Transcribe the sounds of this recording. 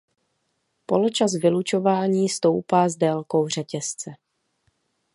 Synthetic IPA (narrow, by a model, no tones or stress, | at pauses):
polot͡ʃas̬vɪlut͡ʃo̞vaːɲiːst̪o̞wpaːzdɛːlko̞wr̝ɛcɛst͡sɛ